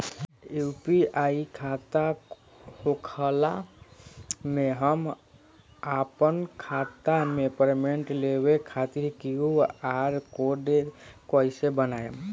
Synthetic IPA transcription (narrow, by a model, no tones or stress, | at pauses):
jupiaikʰat̪a | hokʰəla | meɦəm | apənkʰat̪amepəɾmeɳʈlewekʰat̪iɾkiuaɾkoɖekoisebənaːjem